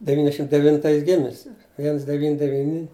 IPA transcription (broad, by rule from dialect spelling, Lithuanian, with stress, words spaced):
dʲɛˈʋʲiːnʲɛzʲdʲɛʃʲɪm dʲɛʋʲɪnˈtɐɪs ˈɡʲɪmʲɪsʲɪ ˈʋʲiɛns dʲɛˈʋʲiːnʲɪ dʲɛˈʋʲiːnʲɪ